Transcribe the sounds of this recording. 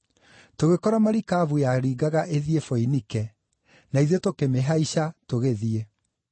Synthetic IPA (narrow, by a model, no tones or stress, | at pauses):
toɣekɔɾamaɾikavujaɾiːɡaɣaʔeðiefoinikɛ | naiðetokemeɦaiɕatoɣeðie